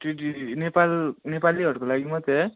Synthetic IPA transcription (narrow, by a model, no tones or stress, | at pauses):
ʈiʈinepalnepalːiɦʌʈkolaɡimʌt̪e